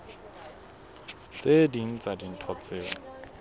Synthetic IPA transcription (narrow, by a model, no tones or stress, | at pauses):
t͡sedin̩t͡sadin̩tʰɔt͡seːwa̰